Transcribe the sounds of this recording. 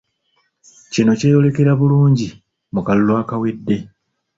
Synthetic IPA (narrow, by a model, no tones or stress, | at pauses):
cino̞ce̞ːjo̞le̞ke̞ɾaβuluːɲɟi | mukalulwaːkawedːe̞